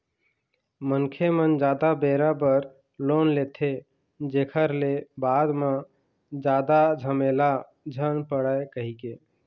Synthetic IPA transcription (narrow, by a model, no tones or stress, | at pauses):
mənkʰemənd͡ʒad̪abeɾabəɾ | lonlet̪ʰe | d͡ʒekʰəɾlebad̪mẽ | d͡ʒad̪ad͡ʒʱəmela | d͡ʒʱənpəɽaekəɦike